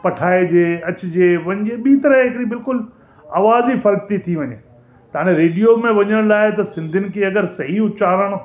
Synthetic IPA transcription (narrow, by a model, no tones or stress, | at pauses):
pɐʈʰaːed͡ʑeːɐt͡ɕʊ̆d͡ʑeːʋɐ̃ɲd͡ʑeɓiːt̪ɐɾəɦɪkɾibɪlkʊl | aːʋaːzifɐɾk̚t̪it̪ʰiʋɐɲeː | t̪ɐãːnẽɾeːɖijomẽʋɐɲəɽ̃laːɪt̪ɐsɪ̃nd̪ʱɪnɪ̆kʰeːɐɡəɾsɐɦiʊt͡ɕaːɾəɽ̃